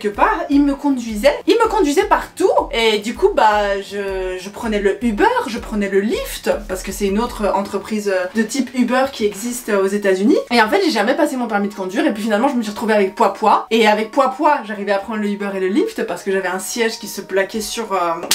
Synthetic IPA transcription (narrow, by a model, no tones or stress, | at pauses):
ɛlkəpaʁilməkɔ̃d̪ɥizɛilməkɔ̃d̪ɥizɛpaʁt̪ued̪ykubaʒəʒəpχənɛləybœːʁʒəpχənɛləlift̪paʁsə̥kəsɛt̪ynot̪χəɑ̃t̪χəpχizød̪ət̪ipybœʁkʲiɛɡzist̪øozet̪azynieɑ̃fɛt̪ʒeʒamɛpasemɔ̃pɛʁmid̪əkɔ̃d̪ɥiʁep̬ɥifinalmɑ̃ʒəməsɥiʁət̪χuveavɛk̚pwapwaeavɛk̚pwapwaʒaʁivɛapχɑ̃nd̪ʁləybœʁeləlift̪paʁsə̥kəʒavɛɛ̃sjɛʒkʲisəplakʲɛsyʁø